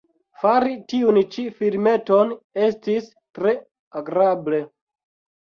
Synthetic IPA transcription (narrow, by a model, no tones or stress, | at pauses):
faɾitiunt͡ʃifiɾme̞tone̞stis | tɾe | aɡɾable̞